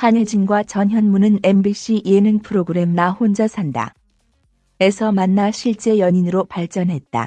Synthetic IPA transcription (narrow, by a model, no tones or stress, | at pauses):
haɲed͡ʑinɡwat͡ɕʌnɦjʌnmunɯne̞mbiɕ͈ijenɯŋpʰɯɾoɡɯɾe̞mnahond͡ʑʌsʰanda̰ | e̞sʰʌmanːaɕʰiɭt͡ɕ͈e̞jʌɲinɯɾopaɭt͡ɕ͈ʌnɦe̞t̚t͈a̰